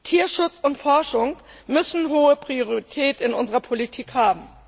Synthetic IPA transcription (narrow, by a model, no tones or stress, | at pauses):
tʰiːɐʃʊt͡sʊntfɔɐʃʊŋ | mʏsn̩ɦoːəpʁ̥ioʁiitʰɛːtɪnʔʊnzəʁɐpʰolitʰiːkhaːbm̩